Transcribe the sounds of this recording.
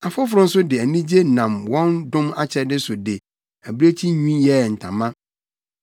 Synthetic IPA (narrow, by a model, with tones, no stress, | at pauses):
a˨fʊ˦fʊ˨ɾʊ̃˦n̩˦sʊ˦dɪ˨æ˨nĩ˦d͡ʑe˦nã˨mwɔ̃˦ndʊ̃˦ma˨t͡ɕʰɛ˨˦dɪ˦sʊ˨dɪ˨ | æ˨bɾe˦t͡ɕʰi˦ɲũ˦jɛ˨n̩˨tʰã̰˨mã˦